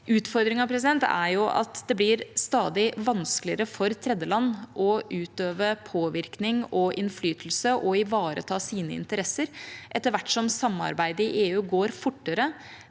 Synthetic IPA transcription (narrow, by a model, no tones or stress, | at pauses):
ʉːt̪fɔɾd̪ɾɪŋɑpʰɾɛs̬ɪd̪ɛnt̪æ̰jʊʔɑ̰t̪d̪ɛblɪɾst̪ɑːd̪ɪʋɑnsklɪəɾəfɔɾt̪ʰɾɛd̪ːəlɑnːʔɔʔʉːt̪øːʋəpʰoːʋɪɾknɪŋɔʔɪnflyːt̪l̩səʔɔɪʋɑːɾə̰t̪ʰɑːsiːnəɪ̰nt̪əɾɛsːəɾʔɛt̪ːəɾʋæʈːʂɔmsɑmɑ̰ɾbæɪd̪əɾɪʔeːʉːɡoːɾfʊʈːəɾə